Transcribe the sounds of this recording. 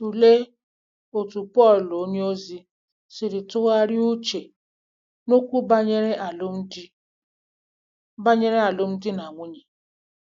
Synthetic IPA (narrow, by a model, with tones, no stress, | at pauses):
u˨le˦ | o˨tu˨pɔ˦˨llo˦ɲe˦o˦zi˦ | sɪ˨ɾɪ˨tʊ˦ɣa˦ɾɪ˦u˦t͡ʃe˨ | no˦kʷu˦ba˦ɲe˦ɾe˦a˨lʊ˦m̩˦d | ba˦ɲe˦ɾe˦a˨lʊ˦m̩˦dɪ˦n˨a˨ŋʷʊ˦ɲe˨